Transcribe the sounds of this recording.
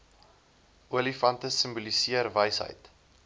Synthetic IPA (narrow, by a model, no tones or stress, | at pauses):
uəlifɐntəsəmbulisiərvəjsɦə̰jt